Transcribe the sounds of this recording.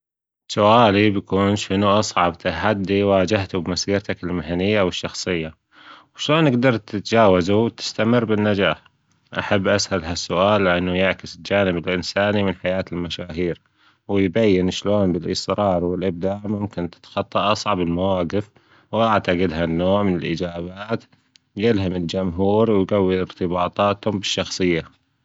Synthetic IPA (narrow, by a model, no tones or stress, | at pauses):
sʊʔaːlibjakuːnʃɪnuʔɑsˤʕɑbt̪aħad̪ːiwaːd͡ʒaht̪ubmasiːɾt̪akɪlmaɦanɪjːawɪʃːɑxsˤɨjːa | wʃloːnʔɪɡd̪ɑɾˤt̪ɪt̪d͡ʒaːwazuwt̪ɪ̥st̪amɪrːbɪnːad͡ʒaːħ | ʔa̰ħabːʔasʔalɦasːʊʔaːlːɪʔanːujɪʕkɪsɪld͡ʒaːnɪbɪlʔɪnsaːnimɪnħajaːt̪ɪlmaʃaːɦiːɾ | wɪjbajːɪnʃloːnbɪlʔɪ̰sɾɑːɾˤwɪlʔɪb̚d̪aʕmʊmkɪnt̪ɪ̥t̪xɑt̪ˤːɑʔɑsˤʕɑbɪlmawaːɡɪf | wʔaʕt̪aɡɪd̪ɦanːoːʕmɪnɪlʔɪ̰d͡ʒaːbaːt̪ | jɪlɦamɪld͡ʒʊmɦuːɾwjɡawːiɪɾt̪ɪbɑːt̪ˤɑːt̪hʊmbɪʃːɑxsˤɨjːa